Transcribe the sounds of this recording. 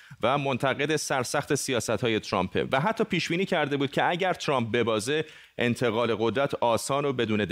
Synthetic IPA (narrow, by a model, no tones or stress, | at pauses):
væmo̞nt̪ʰæɣe̞d̪esæɾsæxt̪ʰe̞sijɒːsæt̪hɒːjet̪ʰɾɒ̰mpʰḛvæɦæt̪ʰːɒːpʰiːʃb̥iːniːcʰæɾd̪e̞buːd̪̥̚cʰe̞æɟæɾt̪ʰɾɒːmp̚be̞bɒːze | ʔent̪ʰe̞ɣɒːle̞ɣo̞d̪ɾæt̪ʰɒːsɒːnobe̞d̪uːne̞d̪